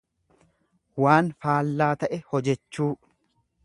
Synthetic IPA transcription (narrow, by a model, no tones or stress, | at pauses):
waːnfaːlːaːt̪ɐʔɛhɔd͡ʒɛt͡ʃːuː